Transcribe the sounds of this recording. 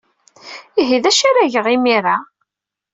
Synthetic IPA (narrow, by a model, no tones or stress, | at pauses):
iɦiðæʃaɾæʝəʁimiɾa